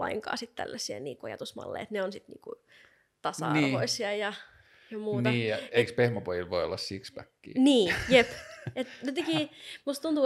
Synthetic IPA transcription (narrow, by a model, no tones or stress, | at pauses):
ɑ̰iŋkɑ̰ːsit̪t̪æ̰lːæsˑiɑ̰nḭːkojɑ̰t̪usmɑ̰lːḛiet̪neonsit̪nḭːŋkṵ | t̪ɑsɑ̰ɑ̰rːʋoisiɑjɑ | jɑmuːtnɑiːjɑeikspehmæpojilʋoio̰lːɑssikspækːḭːniːjepet̪jot̪ekiːmust̪t̪unt̪uː